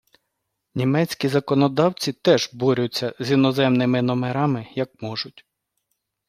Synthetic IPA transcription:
nʲimɛt͡sʲkʲizɐkɔnɔd̪ɑwt͡sʲit̪ɛʒbɔɾʲʊt͡sʲːɐzʲinɔzɛmnɪmɪnɔmeɾɑmɪjɐk̚mɔʒʊtʲ

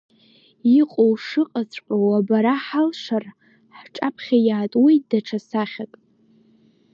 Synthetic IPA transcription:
iqʼowʂɨqʼat͡sʷʰʼħʷʼawabaɾaħalʂar | ħʈ͡ʂʼapʰχʲajaːtʼwidaʈ͡ʂʰasaχʲakʼ

